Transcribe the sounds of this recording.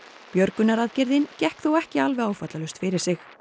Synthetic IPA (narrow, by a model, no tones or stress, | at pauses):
pjœɾkʏnaɾaðcɪɾðɪncɛhkθuwɛhcɪalvɛaːwfat̪lalʏst̪fɪɾɪɾ̥sɪx